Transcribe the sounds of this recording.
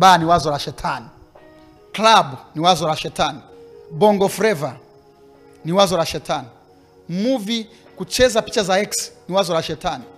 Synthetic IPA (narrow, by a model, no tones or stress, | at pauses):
baːniwazɔɾaʃɛtʰani | klabuniwazɔlaʃɛtani | bɔŋɡɔfɾɛva | niwazɔlaʃɛtani | muvi | kut͡ʃɛzapit͡ʃazaɛksniwazɔlaʃɛtani